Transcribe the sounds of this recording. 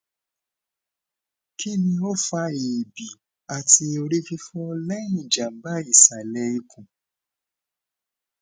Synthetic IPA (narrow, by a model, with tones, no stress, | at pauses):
ki˦nĩ˧o˦˨fa˧e˨bi˨ | a˨ti˧o˧ɾi˦fi˦fɔ˦lɛ˦ĩ˨d͡ʒa˨m̩˦ba˦i˦˨sa˨lɛ˧˦i˧kʰũ˨